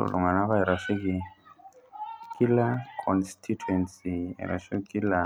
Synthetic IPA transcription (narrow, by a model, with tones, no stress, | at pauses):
lṵ˨ŋa˨na˦βa˦ɛ˨ɾa˨fi˦ki˨ | kʰi˦la˦kʰɔnstʰi˦tuɛ˨nsi˨ɛ̰˨ɾa̰˨ʃi˦kki˦la˨